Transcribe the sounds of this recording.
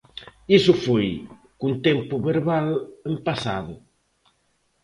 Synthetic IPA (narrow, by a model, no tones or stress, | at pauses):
isʊfoj | kunt̪empʊβeɾβalempasa̰ðʊ